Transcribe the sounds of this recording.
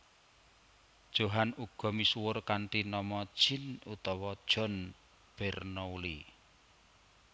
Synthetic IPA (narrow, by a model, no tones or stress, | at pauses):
d̥ʒ̥o̤ɦanuɡ̥ɔ̤misuwʊrkaɳʈinɔmɔd̥ʒ̥ɪ̤nut̪ɔwɔd̥ʒ̥ɔ̤n | b̥ɛrnouli